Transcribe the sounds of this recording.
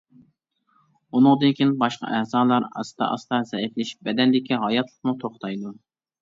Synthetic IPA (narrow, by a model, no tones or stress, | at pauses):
unɨŋd̪ɨnkʲʰinbɑʃqɑ̰ʔæhzɑːlˠɑɾɑ̰st̪ʰɑ̰ʔɑ̰st̪ɑzɛiflɪʃbɛd̪ɛnd̪ɪkʲiɦɑjɑt̪ʰlˠəqmut̪ʰoχt̪ɑjd̪u